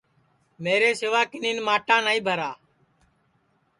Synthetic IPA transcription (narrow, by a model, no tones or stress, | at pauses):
meːɾeːsɪʋaːkɪniːnmaːʈãːnaːĩːbʱəɾaː